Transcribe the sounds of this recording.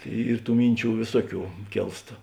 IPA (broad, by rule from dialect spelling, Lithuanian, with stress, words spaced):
ˈiːr ˈtuː ˈmʲɪnʲˌt͡ʃʲuː ˈʋʲeːsuɔˌkʲuː ˈkʲeːlˠst